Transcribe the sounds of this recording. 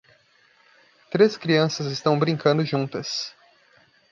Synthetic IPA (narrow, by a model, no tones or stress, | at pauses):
t̪ɾeskɾiɐ̃sɐzɪst̪ɐ̃w̃bɾĩŋkɐ̃nd̪ʊʒũnt̪ɐs